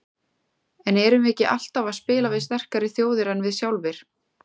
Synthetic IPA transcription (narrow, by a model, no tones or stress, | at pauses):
ɛnɛɾʏmɛcɪʔa̰l̥t̪avaðspɪːlavɪðst̪ɛr̥kaɾɪθjoːwðɪɾɛnvɪðsjawlvɪɾ̥